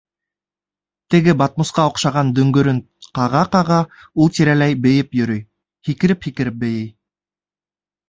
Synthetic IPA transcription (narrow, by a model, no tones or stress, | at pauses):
t̪ɘ̆ɡɘbɑt̪̚mosqɑŏqʃɑʁɑnd̪ɵ̆ŋɡɵ̆ɾɵŋ | qɑʁɑqɑʁɑ | ulˠt̪iɾælæjbɘ̆jɘpjɵ̆ɾɵj | hikɘ̆ɾɘphikɘ̆ɾɘp̚bɘ̆jɘj